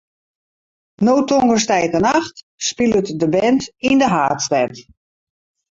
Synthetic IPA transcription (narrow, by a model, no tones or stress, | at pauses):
noːtʰoŋɡəstɛjkənaxt | spilˠətdəbɛntindəɦaːtstɛn